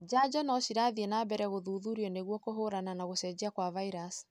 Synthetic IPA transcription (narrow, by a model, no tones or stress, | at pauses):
d͡ʒad͡ʒɔnɔsiɾaðiɛnabɛɾɛɣoðuːðuɾiɔneɣwɔkoɦoɾananaɣosɛd͡ʑiakwavaiɾas